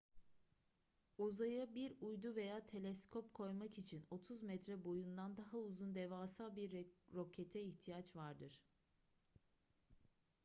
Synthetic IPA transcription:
uzajabiɾujd̪uve̞jaːt̪ʰe̞lʲɛskʰopkʰo̞jmakit͡ʃʰino̞t̪ʰuzmɛt̪ɾɛbo̞jund̪and̪aɦauzund̪ɛvaːsalˠbiɾːo̞cʰɛt̪ʰɛiçt̪ʰijat͡ʃvaɾd̪ɯɾ̥

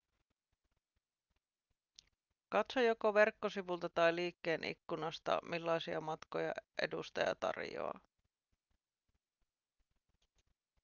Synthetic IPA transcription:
kɑt̪sojo̞ko̞ʋe̞rkːo̞siʋult̪ɑt̪ɑjliːkːe̞ːnʔḭkːunɑst̪ɑ̰milːɑjsiɑmɑt̪ko̞jɑ̰ʔe̞̰dust̪ɑjɑ̰t̪ɑ̰rjo̰ɑ̰

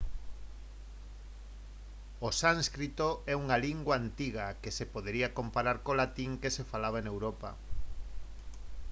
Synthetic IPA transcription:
osaŋskɾit̪oɛuŋaliŋɡwaant̪iɣakesepoðeɾiakompaɾaɾkolat̪iŋkesefalaβaenewɾopa̰

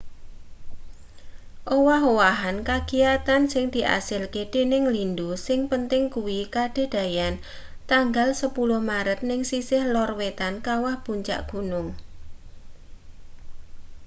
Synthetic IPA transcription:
ʔowaɦowaɦankaɡ̥ijat̪ansɪŋd̪̥i̤ʔa̰sɪlked̪̥e̤nɪŋlindusɪŋpənt̪ɪŋkuwikaɖ̥e̤d̥a̤jan | t̪aŋɡalsəpulʊhmaɾət̪̚nɪŋsisɪhlɔrwet̪ankawahb̥uɲt͡ʃa̰ʔɡ̥unʊŋ

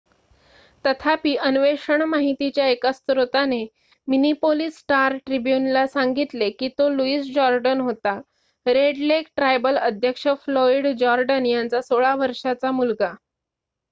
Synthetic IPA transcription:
t̪ət̪ʰapiːʔənʋeʂəɳmaɦit̪it͡ɕjaekast̪ɾot̪ane | minipolisːʈaɾʈɾibjunlasaŋɡit̪lekiːt̪oluiːsd͡ʑɔɾɖənɦot̪a | ɾeɽlekʈɾajbələd̪ʱjəkʂəfloiɽd͡ʑɔɾɖənjant͡sasoɭaʋəɾʂat͡samulɡa

